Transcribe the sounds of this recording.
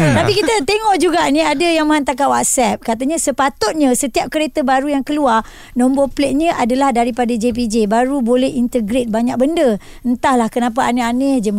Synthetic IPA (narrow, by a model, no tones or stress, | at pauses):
t̪apikit̪ət̪eŋɔʔd͡ʒuɡaʔnĩadajaŋmaant̪akaʔwat̪̚sɛp̚kat̪aɲãsəpat̪ʊt̪̚ɲãsət̪iap̚kəɾet̪əbaɾujaŋkəluar | nɔ̃mboplet̪̚ɲə̃ʔadalahdaɾipadad͡ʒep̬id͡ʒebaɾubolɛhint̪əɡɾet̪̚baɲak̚bəndə | ənt̪ahlahkənãp̬aaneanehd͡ʒəm